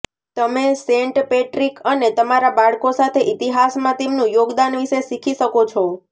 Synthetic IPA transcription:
t̪əmesẽɳʈpeʈɾikənet̪əmaɾabaɭkosat̪ʰeʔit̪iɦasmãt̪emnũjoɡd̪anʋiʃesikʰiʃəkot͡ʃʰɔ

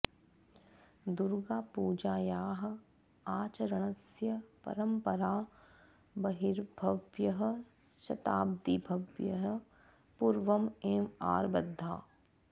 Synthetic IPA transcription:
d̪ʊɾɡaːpuːd͡ʒaːjaːɦ̆ | aːt͡ʃɐɾɐɽ̃ɐsjɐpɐ̰ɾəmpɐɾaː | bɐɦiɾbʱɐʋjɐɦ | ʃɐt̪aːb̚d̪ibʱɐʋjɐɦ | puɾʋɐmeːma̰ːɾbɐd̪ʱːa̰ː

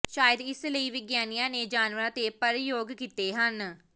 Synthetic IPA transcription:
ʃaːjəd̪ɪsləiːʋɪɡjaːnijãːneːd͡ʒaːnʋəɾãːt̪eːpəɾjoːɡkiːt̪eːɦən

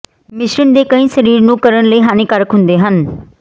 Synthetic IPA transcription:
mɪʃɾəɳd̪eːkəĩːsəɾiːɾnũːkəɾənləiːɦaːneːkəɾəkɦʊnd̪eːɦən

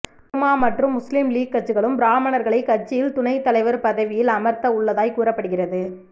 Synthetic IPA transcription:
maːmɐʈrɯmːʊslɪmliːɡ̚kɐʈ̚t͡ʃːɯɣɐɭɯmbɾaːmɐnɐɾɣɐɭɐɪkːɐrt͡ʃːɪjɪlt̪ʊnɐɪt̪ːɐlɐɪʋɐɾpɐðɐʋɪjɪlɐmɐɾt̪ɐʊɭːɐðaːjkuːrɐpːɐɽɯɣɪrɐðɯ

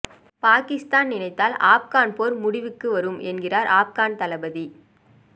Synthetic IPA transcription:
paːkɪst̪aːnnɪnɐɪt̪ːaːla̰ːp̚kaːnpoːɾmʊɽɪʋɯkːɯʋɐɾɯmʔɛnɡɪraːɾʔaːp̚kaːnt̪ɐlɐbɐði

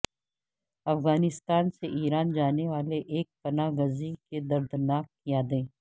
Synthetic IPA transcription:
ɐfɣaːnɪst̪aːnseʔiːɾaːnd͡ʒaːneʋaːleʔeːk̚pɐnaːɡəziked̪ɐɾd̪naːk̚ː | jaːd̪ẽː

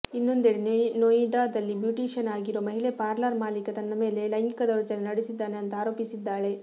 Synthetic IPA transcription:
inːo̞nd̪eɽenoiɖaːd̪ɐlːibjuʈiːʂɐnaːɡiɾoːmɐɦiɭepaːɾlɐɾmaːlikɐt̪ɐnːɐme̞ːle̞lɐjŋɡikɐd̪ɐɾɐt͡ʃɐnenɐɽisid̪ːaːneɐnt̪ɐaːɾo̞ːpisid̪ːaːɭe̞

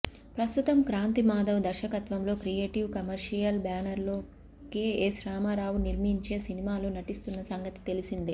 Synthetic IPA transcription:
pɾɐst̪ut̪ɐmkɾaːnt̪imaːd̪ɐwd̪ɐɾʃɐkɐt̪ʋɐmlo̞ːkɾije̞ːʈiʋkɐmɐɾʂijɐlbaːnɐɾloː | keːeːsɾaːmaːɾaːwuniɾmiɲt͡ʃe̞ːsinimaːlunɐʈist̪unːɐsɐŋɡɐt̪i̥t̪e̞lisind̪i

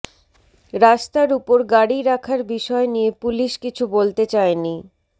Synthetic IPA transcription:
ɾaʃt̪aɾupoɾɡaɽiɾakʰaɾbiʃɔenijepuliʃkit͡ɕʰubolt̪et͡ɕaeni

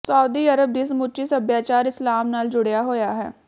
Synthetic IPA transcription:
saːʊd̪iːəɾəb̚d̪ɪs̬mʊt͡ʃisəbjaːt͡ʃaːɾɪslaːmnaːld͡ʒʊɽjaːɦoːjaːɦɛ̰ː

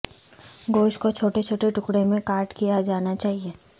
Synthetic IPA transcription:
ɡoːʃkot͡ʃʰoːʈet͡ʃʰoːʈeʈʊkɽemẽkaːɾʈkijad͡ʒaːnat͡ʃaːɦieː

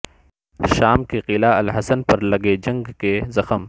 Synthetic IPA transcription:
ʃaːmkeqɪlaɐlɦɐsənpɐɾlɐɡed͡ʒɐ̃ŋɡkezɐxəm

